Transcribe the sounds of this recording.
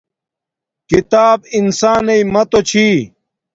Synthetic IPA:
kit̪aːbinsaːneimɐt̪ot͡ɕʰiː

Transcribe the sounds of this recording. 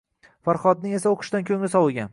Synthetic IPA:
faɾχɒd̪̚nɪŋe̞saoqʰɨ̥ʃt̪ankʲʰɵŋlɪsɒwɪɡʲan

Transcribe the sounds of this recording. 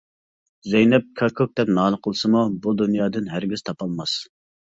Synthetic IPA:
zɛjnɛp̚kʰɑkʰok̚d̪ɛpnɑːlˠəqʰəlˠɨsɨmubud̪unjɑːd̪ɨnɦæɾɡʲiz̥t̪ʰɑpɑlˠmɑs

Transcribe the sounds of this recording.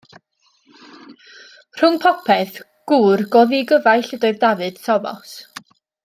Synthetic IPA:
r̥ʊŋpʰɔpʰɛθ | ɡ̥uːrɡɔðiɡəvajɬədɔɨðdavɨd̥sʰɔvɔ̰s

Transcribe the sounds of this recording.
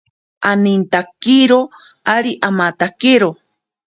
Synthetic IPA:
anint̪akiɾo | aɾiʔamat̪akiɾo

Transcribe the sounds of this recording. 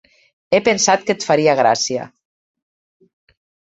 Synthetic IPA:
epensat̪̚kət̪faɾiaɣ̞ɾa̰sia̰

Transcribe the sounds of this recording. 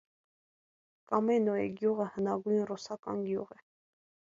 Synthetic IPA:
kɑmɛnɔɛ̰ɡjuʁəhənɑɡujnrusɑkɑ̰nɡjṵʁɛ

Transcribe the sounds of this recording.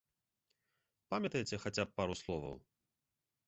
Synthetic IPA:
pamʲɐt̪ɐjt͡sʲɛxat͡sʲap̚ːaɾuslˠɔvɐ̰w

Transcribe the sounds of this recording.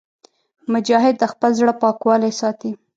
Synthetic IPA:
mʊd͡ʒɑɦɪd̪̚ːəxpəlzɽəpɑkwɑlajsɑt̪i

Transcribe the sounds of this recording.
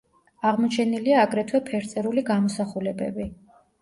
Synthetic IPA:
aʁmɔt͡ʃʰɛniliaːɡɾɛt̪ʰwɛpʰɛɾt̪sʼɛɾuliɡamɔsaχulɛbɛ̰bi

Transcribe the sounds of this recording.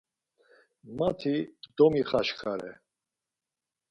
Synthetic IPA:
mat̪ʰid̪̥ɔmiχaʃkʰaɾɛ̰

